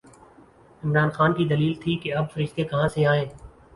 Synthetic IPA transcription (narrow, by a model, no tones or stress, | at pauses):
ɪmɾaːnxaːnkid̪ɐliːlt̪ʰikeɐb̚fɐɾɪʃt̪ekɐɦãseaːẽː